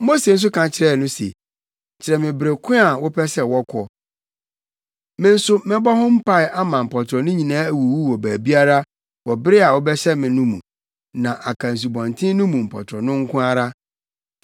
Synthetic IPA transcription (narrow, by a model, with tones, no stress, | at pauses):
mo˦se˨n̩˦s̬ʊ˦kʰã˨t͡ɕʰɪ˨ɾɛ˦˨nʊ̃˦sḛ˨ | t͡ɕʰɪ˨ɾɛ˨mɪ̃˨bɪ˨ɾe˨kʰʊ̃˦a˨wʊ˦pʰɛ˦sɛ˦˨wɔ˦kʰɔ˨ | mɪ̃˦n̩˦sʊ˦mɪ̃˦bɔ˦hʊ̃˦m̩˦pʰa˦ɪ˨ʔa˦mã˨m̩˨pʰɔ˨tʰɾɔ˨nʊ̃˦ɲĩ˨nãː˦æ˦˨wu˨wu˦wɔ˨bæː˨bi˦a˦ɾa˦ | wɔ˨bɪ˦ɾɪ˦a˨wɔ˦bɛ˦ɕɛ˦mɪ̃˨nʊ̃˦mṵ̃˨ | nã˨ʔa˨kʰã˨n̩˨s̬u˨bɔ̃˨n˨tʰɪ̃˦nʊ̃˦mũ˨m̩˨pʰɔ̰˨tʰɾɔ˨nʊ̃˦ŋ̩˦kʰʊ̃˦a˦ɾa˦